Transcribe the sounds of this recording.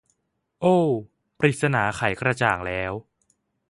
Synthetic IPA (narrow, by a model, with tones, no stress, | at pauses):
ʔoː˧˩ | pɾi˨˩t̪̚sa˧naː˩˦xʰa˩˦jkɾa˧t͡ɕaː˨˩ŋlɛː˦˥w